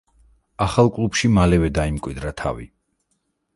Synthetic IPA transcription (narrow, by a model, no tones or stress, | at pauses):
aχalˠkʼlˠupʃimalɛvɛd̪aimkʼwid̪ɾat̪ʰa̰vḭ